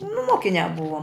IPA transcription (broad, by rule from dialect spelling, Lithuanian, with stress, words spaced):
nʊ ˈmoːkʲɪnʲæː ˈbʊʋoːm